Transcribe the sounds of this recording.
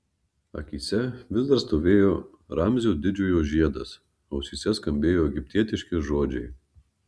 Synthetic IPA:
ɐ̰kʲiːsʲɛʋʲɪzd̪ɐɾst̪oːʋʲeːjoː | ɾɑmʲzʲoːd̪ʲɪd͡ʒʲoːjoːʒʲiɛd̪ɐs | ɐʊsʲiːsʲɛskɐmʲbʲeːjoːɛɡʲɪpʲt̪ʲiɛt̪ʲɪʃʲkʲɪʒoːd͡ʒʲɛɪ

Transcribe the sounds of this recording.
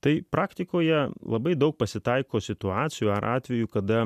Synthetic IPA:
t̪ɐɪpɾʔɑːkt̪ʲɪkoːjɛlˠɐbɐɪd̪ɐʊk̚pɐsʲɪt̪ɐɪkoːsʲɪt̪ʊɑːt̪sʲɪjuːɐɾʔɑːt̪ʲʋʲɛjukɐd̪ɐ

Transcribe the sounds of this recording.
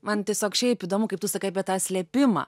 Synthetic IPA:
mɐnt̪ʲiɛsʲoːkʃʲɛɪpiːd̪oːmʊkɐɪp̚t̪ʊsɐkɐɪɐpʲiɛt̪ɑːsʲlʲɛpʲɪmɑ̰ː

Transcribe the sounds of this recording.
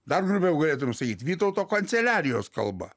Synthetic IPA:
d̪ɐrɡɾʊpʲjɛʊɡɐlʲeːt̪ʊmʲɛmsɐkʲiːt̪ʋʲiːt̪oʊt̪oːkɐnʲt̪sʲɛlʲæːɾʲɪjoːskɐ̰lˠbɐ̰

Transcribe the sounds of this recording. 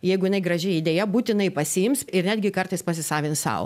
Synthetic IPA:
jɛɪɡʊjɪnɐɪɡɾɐʒʲɛid̪ʲeːjɛbuːt̪ʲɪnɐɪpɐsʲɪɪmsɪɾnʲæːd̪ɡʲɪkɐrt̪ɐɪspɐsʲɪsɑːʋʲɪnssɑ̰ːʊ

